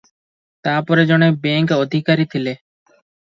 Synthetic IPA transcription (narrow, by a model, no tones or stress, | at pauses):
t̪aɾpɔɾed͡ʑɔnebeŋkod̪ʱikaɾit̪ʰile